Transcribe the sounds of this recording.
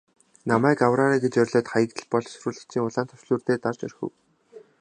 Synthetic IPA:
namæːkawraːɾiːɡet͡ɕœrʲɮoːt̪χajə̆k̚t̪ɘ̆ɮpɔɮsɵɾuːɮə̆xt͡ɕʰiːŋʊɮaːnt̪ʰɔ̥ʃɮuːrt̪eːt̪art͡ɕœ̰rxɘ̰̆w

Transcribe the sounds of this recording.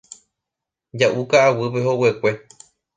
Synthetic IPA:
d͡ʒaʔukaːwɨpeɦo̞we̞kʷe̞

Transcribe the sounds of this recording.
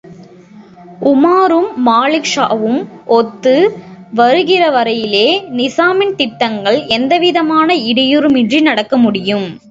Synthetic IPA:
ʔʊmaːɾɯmːaːɭɪkʂa̰ːʋɯmʔɔt̪ːɯʋɐɾɯɣɪrɐʋɐɾɐjɪleːnɪsaːmɪnt̪ɪʈːɐŋɡɐɭɛnd̪ɐʋɪðɐmaːnɐɪɽɪjɯɾɯmɪndrinɐɽɐkːɐmʊɽɪjɯm

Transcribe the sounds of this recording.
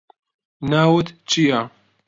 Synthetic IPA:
nawut̪t͡ʃija

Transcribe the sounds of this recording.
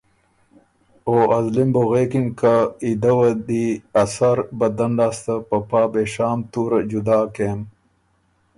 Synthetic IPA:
oːʔɐzlimboɣeːkiŋkaid̪ɐwɐd̪iɐsɐɾbɐd̪ɐnlaːst̪ɐpɐpaːbeʃaːmt̪uːɾɐd͡ʑud̪aːkeːm

